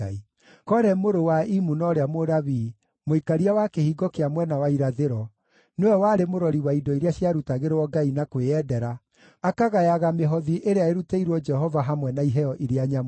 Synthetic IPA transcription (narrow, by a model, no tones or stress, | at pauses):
ai | kɔɾɛmoɾowaimunɔɾeamoɾaβi | moikaɾiawakehiɡɔkeamwɛnawaiɾaðeɾɔ | newɛwaɾemoɾɔɾiwaidɔiɾeaɕjaɾutaɣeɾewɔɡainakweɛdɛɾa | akaɣajaɣameɦɔðiʔeɾeaeɾuteiɾwɔd͡ʒɛɦɔvaɦamwɛnaiɦɛjɔʔiɾeaɲam